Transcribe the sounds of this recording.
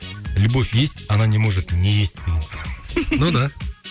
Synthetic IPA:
lʲubo̞fʲje̞sʲtʲɑnanʲe̞mo̞ʐɨt̪nʲeje̞sʲt̪ʲmʲɪnʲ | nud̪a

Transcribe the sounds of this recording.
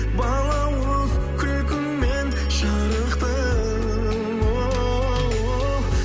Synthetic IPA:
bɑlˠɑwo | kʲʰʏlkʲɪmmen | ʒɑɾəqt̪ə | wo | wo

